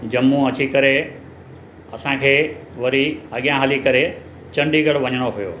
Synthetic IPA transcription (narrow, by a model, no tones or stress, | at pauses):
d͡ʑɐmũɐt͡ɕikɐɾe | ɐsãkʰeːʋɐɾiɐɠjãɦəlikɐɾe | t͡ɕɐ̃ɳɖiɡəɽʋɐɲəɽ̃oɦʊjoː